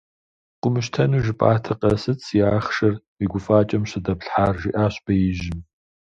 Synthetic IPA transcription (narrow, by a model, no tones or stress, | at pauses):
qʷʊmɨʃtʰɐnuʒɪpʼa̰ːtʰɨqɐsɨt͡sʰiaːχʂɐrwiːɡʷʊfaːt͡ʃʼɐmɕɪdɐpɬħaːrʒiːʔaːɕb̥ɐjɪʒɪn